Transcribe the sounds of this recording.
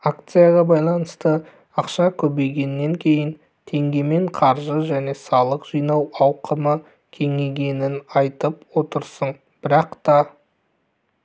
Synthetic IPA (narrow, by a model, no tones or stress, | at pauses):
akt̪sɨjaʁɑbɑjlˠɑnəst̪ə | ɑqʃɑkʲʰɵbe̞jɡʲe̞nːe̞ŋkʲʰe̞jɪn | t̪ʰe̞ŋɡʲe̞me̞ɴqʰɑɾʒəʒæne̞sɑlˠəqʒ̥ijnɑwɑwqʰəmə | kʲʰe̞ŋe̞ɡʲe̞nɪnɑjt̪əpwo̞t̪əɾsəɴ | b̥ɪɾɑqt̪ɑ